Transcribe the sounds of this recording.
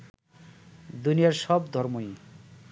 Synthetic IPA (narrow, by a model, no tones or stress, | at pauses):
d̪unijaɾsɔbd̪ʱɔɾmoj